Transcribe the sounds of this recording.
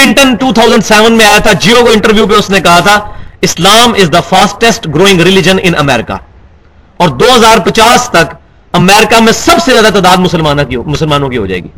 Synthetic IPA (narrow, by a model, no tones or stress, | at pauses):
ɪ̃ɳʈənʈuːt̪ʰaːʊzə̃ɳɖsɛːʋə̃nmẽaːjat̪ʰad͡ʒiːokoɪ̃ɳʈəɾʋjuːpeʊsnẽkɐɦat̪ʰaɪslaːmɪzd̪əfaːsʈːɛsʈɡɾoːɪ̃ŋɡɾɪlɪd͡ʒə̃nɪ̃nɐ̰mɛːɾɪka̰ | ɔːɾd̪oːɦɐzaːɾpɐt͡ʃaːst̪ɐk | ɐmɛːɾɪkamẽsɐbsezjaːd̪at̪aːd̪aːd̪mʊsəlmaːnãkimʊsəlmaːnõkiɦo̰d͡ʒa̰ːḛːɡḭː